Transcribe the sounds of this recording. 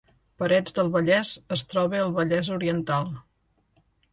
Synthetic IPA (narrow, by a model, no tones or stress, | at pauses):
pəɾɛd͡zd̪əlˠβəʎɛzəst̪ɾɔβ̞eəlˠβəʎɛzuɾiənt̪alˠ